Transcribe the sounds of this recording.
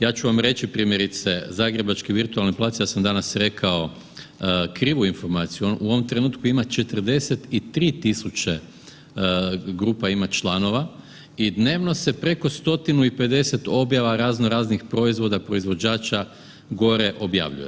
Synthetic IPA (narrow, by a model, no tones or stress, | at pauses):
jaːt͡ʃuʋamɾe̞t͡ʃipɾiːmje̞ɾit̪sezaːɡɾe̞bat͡ʃkiʋiɾt̪ualniplˠaːt̪sijaːsamd̪anasɾe̞kʰao̞ | kɾiːʋuinfo̞ɾmaːt̪sijuonʔuo̞ʋo̞mt̪ɾe̞nuːt̪kuimat͡ʃe̞t̪ər̩d̪e̞set̪it̪ɾiːt̪isut͡ɕe | ɡɾuːpaimat͡ʃlˠano̞ʋa | id̪ne̞ːʋno̞se̞pɾe̞ko̞st̪o̞t̪inuipe̞d̪e̞se̞t̪o̞bjaʋaɾaːzno̞ɾaːznixpɾo̞izʋo̞d̪apɾo̞izʋo̞d͡ʑaːt͡ʃa | ɡo̞ɾe̞ʔo̞bja̰ʋʎṵje